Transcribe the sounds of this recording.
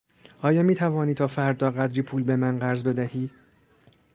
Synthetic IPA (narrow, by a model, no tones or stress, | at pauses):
ɒːjɒːmiːt̪ʰævɒːniːt̪ʰɒːfæɾd̪ɒːɢæd̪ɾiːpʰuːlbe̞mænɢæɾzbe̞d̪æhiː